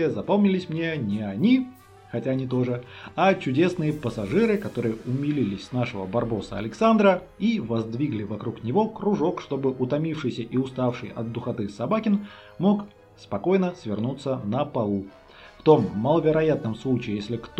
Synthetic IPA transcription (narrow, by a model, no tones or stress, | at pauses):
jəzɐpomnʲɪlʲɪsʲmnʲenʲɪɐnʲi | xɐtʲaɐnʲit̪̬o̞ʐɨat͡ɕʊdʲe̞snɨjəpəsɐʐɨɾɨkɐt̪o̞ɾɨjəʊmʲɪlʲilʲɪsʲsnaʂɨvəbɐrbo̞sə̰ɐ̰lʲɪksand̪ɾə | ivɐzd̪vʲiɡlʲɪvɐkɾuknʲɪvo̞kɾʊʐo̞kʂt̪o̞bɨʔʊt̪ɐmʲifʂɨjsʲəʔiʊst̪afʂɨjɐ̰t̪d̪̚d̪ʊxɐt̪ɨsɐbakʲɪn | mo̞k | spɐko̞jnəsvʲɪrnut̪sːənəpɐlˠu | ft̪o̞mːəlˠəvʲɪɾɐjat̪̚nəmslˠut͡ɕɪːjesʲlʲɪkt̪